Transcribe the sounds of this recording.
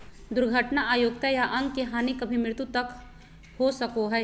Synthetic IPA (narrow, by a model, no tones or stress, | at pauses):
d̪ʊɾɡʱəʈnaʔaːjoːɡ̚t̪ajaʔɐ̃ŋɡkeɦaːnikɐbʱimɾɪt̪ut̪ɐk | hosɐkoɦɛː